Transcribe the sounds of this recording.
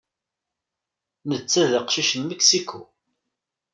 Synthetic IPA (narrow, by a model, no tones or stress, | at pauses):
nət͡sːæðəqʃiʃənməksikːu